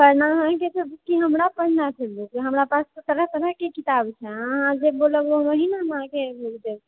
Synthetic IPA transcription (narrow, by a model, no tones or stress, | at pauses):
pəɾnaəɦãkesəbkiɦəmɾapəɽnat͡ʃʰeld̪ekiɦəmɾapast̪ot̪əɾəɦt̪əɾəɦkekit̪abt͡ʃʰɛəɦãd͡ʒeboləboməɦinamɦãkemild͡ʒ̪eb